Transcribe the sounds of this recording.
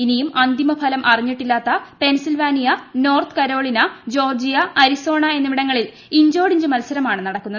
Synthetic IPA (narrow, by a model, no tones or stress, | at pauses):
inijumɐnd̪imɐpʰɐlɐmʔɐriɲːiʈːilːaːt̪ːɐpe̞nsilʋaːnijɐno̞ːrt̪ɨ̥kɐɾo̞ːɭinɐd͡ʑo̞ːrd͡ʑijɐɐɾiso̞ːɳɐe̞nːɨʋiɽɐŋːɐɭil | iɲd͡ʑo̞ːɽiɲd͡ʑumɐlsɐɾɐmaːɳɨnɐɽɐkːunːɐðɨ